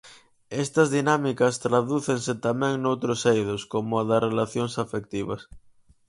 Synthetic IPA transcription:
est̪ɐzðinamikɐst̪ɾaðuθeŋset̪amɛ̃ŋnowt̪ɾosejðoskomoaðasrelaθjoŋsafek̚t̪iβɐ̰s

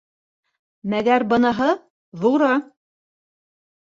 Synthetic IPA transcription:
mæɡæɾbɤ̆nɤ̆ɦɤ | ðuɾɑ

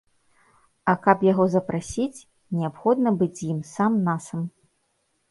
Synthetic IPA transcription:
ɐkɐpjaɣɔzɐpɾasʲit͡sʲ | nʲɛapxɔd̪nɐbɨd͡zʲjimsamnasɐm

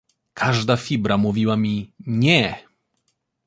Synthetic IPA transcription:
kʰaʐd̪afʲibɾamuvʲiwamʲiɲɛ

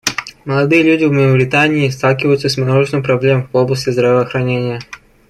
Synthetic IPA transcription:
məlˠɐd̪ɨjəlʲudʲɪvmʲəəbɾʲɪt̪anʲɪːst̪alˠkʲɪvəjʊt̪səsʲmanoʐɨsɨmpɾɐblʲemvoblˠəsʲtʲɪzd̪ɾəvəːxɾɐnʲenʲɪjə

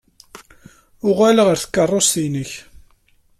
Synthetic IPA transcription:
ʊʁæləʁəɾθə̥kːərˤːost̪inəç

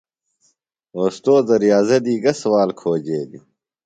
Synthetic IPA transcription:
oːst̪oːd̪ɐɾijaːzed̪iːɡɐswaːlkʰoːd͡ʑeːd̪u

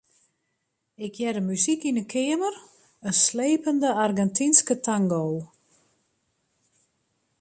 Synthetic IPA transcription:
ɪkʰjɛdəmysikinəkʰɪəmər | ənsleːpəndəarɡɛntʰinskətʰaŋɡow

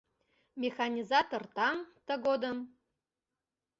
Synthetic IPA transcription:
mʲexanʲizɑt̪ort̪ɑŋt̪əɡod̪əm

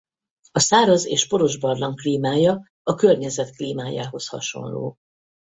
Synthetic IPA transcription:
ɒsaːɾɒzeːʃpo̞ɾo̞ʒbɒrlɒŋkliːmaːjɒ | ɒkø̞rɲɛzɛt̪kliːmaːja̰ːɦo̞shɒ̰ʃo̞̰nlo̰ː

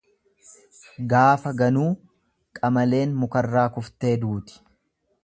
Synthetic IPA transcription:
ɡaːfɐɡɐnuː | kʼɐmɐle̞ːnmʊkɐrːaːkʊft̪e̞ːd̪uːt̪ɪ̥

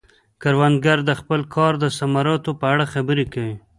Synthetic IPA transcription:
kaɾwand̪ɡaɾd̪əxpəlkʰɑɾd̪əsamɑɾɑt̪opəaɽaxabəɾekawi

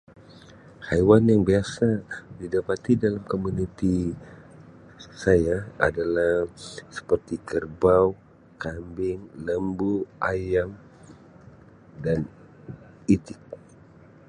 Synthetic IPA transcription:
hajwanjaŋbiasadidapat̪idalamkomunit̪i | sajaa̰dalahsə̥pərt̪ikərbaw | kambɪŋləmbuʔajam | dan | it̪ɪk̚

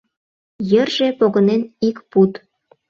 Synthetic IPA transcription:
jərʒepoɣənenikput̪

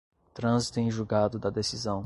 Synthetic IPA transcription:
t̪ɾɐ̃zit̪ʊẽʒuɡad̪ʊd̪ɐd̪esizɐ̃w̃

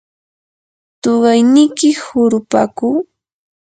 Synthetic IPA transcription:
t̪oɢɑjnɪkɪhʊɾʊpa̰kuː

